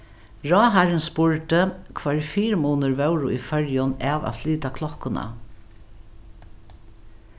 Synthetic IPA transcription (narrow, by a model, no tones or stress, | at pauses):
ɹɔːɦaɾɪnspʊɹt̪əkʰvaːɹfiːɾmuːnəɹʋɛwɾʊʔifœɹjʊnaːʋa̰fliːt̪akʰlɔhkʊna̰